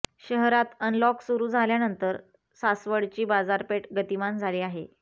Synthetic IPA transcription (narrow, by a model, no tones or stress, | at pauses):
ɕəɦɾat̪ənlɔksuɾuːd͡zʱaljanənt̪əɾ | sasʋəɽt͡ɕiːbad͡zaɾpeʈɡət̪imand͡zʱaliːaɦe